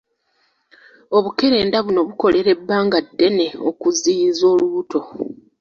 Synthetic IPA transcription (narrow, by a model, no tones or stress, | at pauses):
o̞βuke̞ɾe̞ːndaβuno̞βuko̞le̞ɾe̞bːaːŋɡadːe̞ne̞o̞̰kuzijizo̞ːluuto̞